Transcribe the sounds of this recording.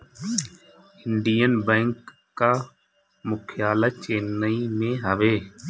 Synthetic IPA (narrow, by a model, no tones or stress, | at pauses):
ɪɳɖiːənbẽːŋkː | aː | mʊkʰjaːlaːt͡ʃeːnəiːmẽːɦəʋeː